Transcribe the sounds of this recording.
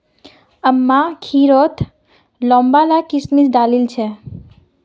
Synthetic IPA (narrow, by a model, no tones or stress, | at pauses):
əmːakʰiɾot̪ʰ | lɔ̃mbalakismid͡ʒd̪alilt͡ʃʰe